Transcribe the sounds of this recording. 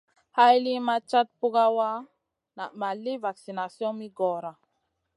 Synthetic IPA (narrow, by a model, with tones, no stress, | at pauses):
ha˦jli˦ma˦t͡ʃa˦t̪̚pu˦ɡa˦wa˦ | na˨ʔma˨li˦va˨ksi˨na˨sjɔ̃˦mi˦ɡɔ˨ɾa˨